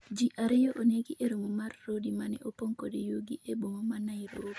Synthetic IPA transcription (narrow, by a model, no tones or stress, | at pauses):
d͡ʒiʔaɾɪjoʔoneɡiʔeɾomomarːodimanɛ̰ʔopoŋkɔdejoɡiʔebomomanaɪɾo